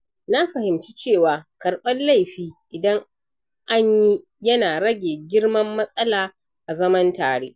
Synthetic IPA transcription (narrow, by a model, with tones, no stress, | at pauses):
na˦ɸɐ˨hɪ˨mt͡ʃiː˦t͡ʃeː˦˨waː˨kɐ˨rɓɐ˦nla˦˨jɸiː˦ʔɪ˨dɐ˦ŋ | ʔa˦ɲji˦ | jɐ˦naː˨ɽɐ˦ɡʲeː˨ɡʲɪ˦rmɐ˦mːɐ˦sʼɐ˦laː˨ | ʔa˨zɐ˦mɐ˦ntaː˨ɽeː˦